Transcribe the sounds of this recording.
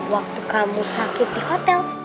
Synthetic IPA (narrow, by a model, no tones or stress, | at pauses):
wak̚t̪ukamusakɪt̪̚d̪ihɔt̪ɛl